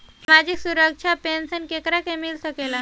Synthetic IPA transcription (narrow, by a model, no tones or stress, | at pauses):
samad͡ʑiksuɾəkʃʰapensənkekɾakemilsəkela